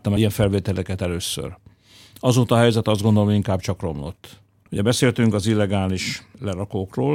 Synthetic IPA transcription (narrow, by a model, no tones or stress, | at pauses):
t̪ːɒmɛjɛɱfɛlveːt̪ɛlɛkɛt̪ɛløːsːø̰r | ɒzoːt̪ɒɦɛjzɛt̪ːɒzɡond̪o̞loiŋkaːbt͡ʃɒkro̞mlo̞̰t̪ː | huɟɛbɛseːlt̪yŋkɒzilːɛɡaːliʃlɛɾɒkoːkroːl